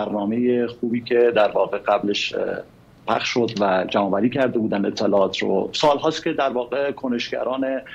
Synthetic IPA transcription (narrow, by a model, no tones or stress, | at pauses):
æɾnɒːmejexuːbiːcʰe̞d̪æɾvɒːɣe̞ɢæbleʃ | pʰæ̰xʃʃo̞d̪væd͡ʒæmɒːvæɾiːcʰæɾd̪ebuːd̪æne̞t̪ʰːelɒːɒːt̪ʰɾo̰sɒːlɦɒːst̪kʲe̞d̪æɾvɒːɣekʰone̞ʃɡæ̰ɾʔɒːne